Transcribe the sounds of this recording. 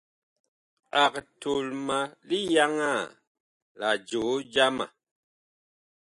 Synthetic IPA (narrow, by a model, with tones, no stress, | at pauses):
a˨k̚to˨lma˨li˦ja˦ŋa˦˨ | la˨d͡ʒo˨˦d͡ʒa˦ma̰˨